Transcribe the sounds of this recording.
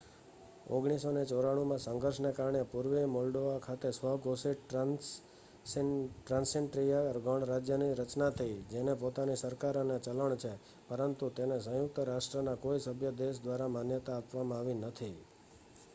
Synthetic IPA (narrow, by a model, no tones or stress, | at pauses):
o̰ɡɽ̃isonet͡ʃoɾaɽ̃umãsəŋɡʱəɾʃnekaɾɳepuɾʋemɔlɖoʋakʰat̪esʋəɦɡosi | ʈɾãnseɳʈɾijaɾɡʱəɳ̃ɾad͡ʒjəniɾət͡ʃnat̪ʰəid͡ʒenepot̪anisəɾkaɾnet͡ʃələɳt͡ʃʰe | pəɾənt̪ut̪enes̬ə̃jʊk̚t̪əɾasʈɾənakoisəbʱjəd̪eʃ̬d̪ʋaɾamanjət̪aːpʋamãaʋinət̪ʰi